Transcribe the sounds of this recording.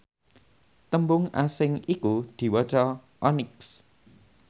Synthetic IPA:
t̪əmbʊŋasɪŋikud̪̥i̤wɔt͡ʃɔ | ʔɔnɪks

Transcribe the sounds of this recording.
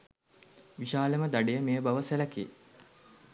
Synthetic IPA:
ʋiʃaːləməd̪aɖejəmeːəbaʋəseləkḛː

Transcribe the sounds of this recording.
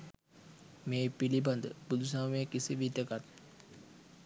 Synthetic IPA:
meːpiliband̪ə̰bud̪ʱusaːmeːkisiʋit̪əkat̪̚

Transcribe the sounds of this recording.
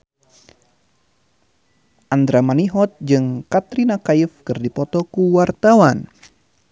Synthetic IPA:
ʔand̪ɾamaniɦɔt̪̚d͡ʒɨŋkat̪ɾinakaifkɨrdipɔt̪ɔkuwart̪awan

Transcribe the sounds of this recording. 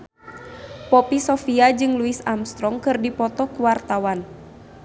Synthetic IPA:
pɔpisɔfiad͡ʒɨŋluisamst̪ɾɔŋkɨrdipɔt̪ɔkuwart̪awan

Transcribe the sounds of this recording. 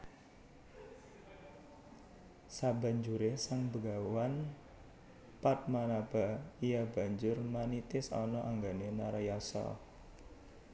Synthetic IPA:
saba̤ɲd͡ʒuɾesaŋbəɡawan | pat̪̚manab̥a̤ijaba̤ɲd͡ʒʊrmanit̪ɪsɔ̰nɔʔaŋɡanenaɾajasɔ̰

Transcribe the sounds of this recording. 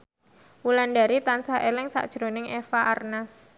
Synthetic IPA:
wulandaɾit̪ansaʔelɪŋsa̰ʔd̥ʒ̥ɾo̤nɪŋʔefaʔarnas

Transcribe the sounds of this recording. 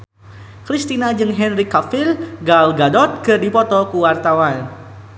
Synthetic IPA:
kɾist̪inad͡ʒɨŋɦɛnrikafilɡalɡadɔt̪̚kɨrdipɔt̪ɔkuwart̪awan

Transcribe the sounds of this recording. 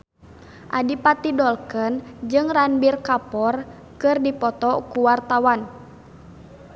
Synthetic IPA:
ʔadipat̪idɔlkənd͡ʒɨŋranbirkapɔr | kɨrdipɔt̪ɔkuwart̪awan

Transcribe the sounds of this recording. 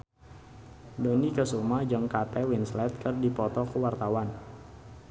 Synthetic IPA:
donikəsumad͡ʒaŋkat̪ɛwinslɛt̪̚kərdipɔt̪ɔkəwart̪awan

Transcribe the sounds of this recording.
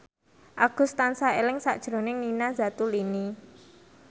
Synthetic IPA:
ʔaɡ̥ʊ̤st̪ansaelɪŋsa̰ʔd̥ʒ̥ɾo̤nɪŋninaza̤t̪ulini

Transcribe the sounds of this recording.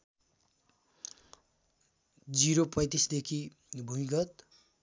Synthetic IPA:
d͡ziɾopʌjt̪isd̪ekʰi | bʱumiɡʌt̪

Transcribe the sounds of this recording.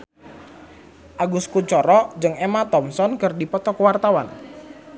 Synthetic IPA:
ʔaɡuskut͡ʃɔɾɔd͡ʒɨŋemat̪ɔmsɔnkərdipɔt̪ɔkəwart̪awan

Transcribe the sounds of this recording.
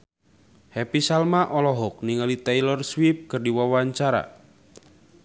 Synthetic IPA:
hɛpisalmaʔɔlɔɦɔk̚niŋalit̪ɛjlɔrswip̚kɨrdiwawaɲt͡ʃaɾa̰

